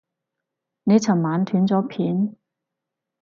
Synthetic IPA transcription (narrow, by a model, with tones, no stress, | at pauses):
ne˨˧jt͡sʰɐ˨˩ŋmaː˨˥nt̪ʰyː˨˥nt͡sɔː˨˥pʰiː˨˥n